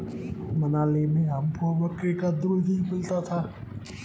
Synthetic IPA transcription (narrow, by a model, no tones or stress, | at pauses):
mɐnaːlemẽɦɐmpʰobəkekad̪ud̪ʱimɪlt̪at̪ʰaː